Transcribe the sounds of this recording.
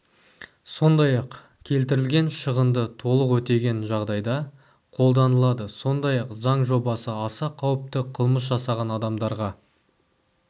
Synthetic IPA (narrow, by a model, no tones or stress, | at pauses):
so̞nd̪ɑjɑq | kʲʰe̞lt̪ɪɾɪlɡʲe̞nʃəʁənd̪ət̪ʰo̞lˠəqwɵt̪e̞ɡʲe̞nʒɑʁd̪ɑjd̪ɑ | qʰo̞lˠd̪ɑnəlˠɑd̪əso̞nd̪ɑjɑqzɑɴʒo̞bɑsəɑsɑqʰɑwəp̚t̪əqʰəlˠməs̬ʒɑsɑʁɑnɑd̪ɑmd̪ɑɾʁɑ